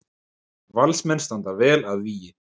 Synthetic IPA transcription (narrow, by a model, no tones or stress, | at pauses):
valsmɛnst̪ant̪avɛːlaðviːjɪ